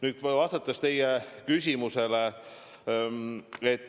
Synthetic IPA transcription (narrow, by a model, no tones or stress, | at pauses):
nyːd̪̥vɑst̪ɑt̪ːˑɑst̪e̞jekys̬ʲimuse̞le | et̪ːˑ